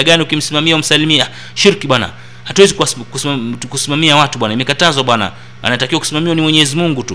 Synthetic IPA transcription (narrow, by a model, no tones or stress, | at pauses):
aɠaniukim̩simamiaum̩salimia | ʃiɾkiɓwana̰ | hatwɛzikuakukusimamiawatuɓwanaimɛkatazwaɓwana̰ | a̰natakiwakusimamiwanimwɛɲɛɛzimuŋɡutu